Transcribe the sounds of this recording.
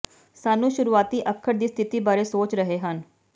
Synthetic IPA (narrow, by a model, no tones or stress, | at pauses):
saːnũːʃʊɾuːaːt̪iːʔəkʰːəɾd̪iːst̪ʰɪt̪iːbaːɾeːsoːt͡ʃɾəɦeːɦən